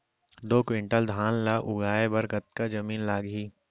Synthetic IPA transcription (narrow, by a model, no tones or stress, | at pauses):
d̪oːkʋɪ̃ɳʈəld̪ʱaːnlaʔʊɡaːebɐɾɡɐt̪̚kad͡ʒɐmiːnlaːɡɦiː